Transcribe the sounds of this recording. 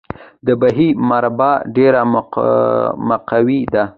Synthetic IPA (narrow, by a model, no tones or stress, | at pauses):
d̪əbaɦimaɾbɑɖeɾam | maqawid̪a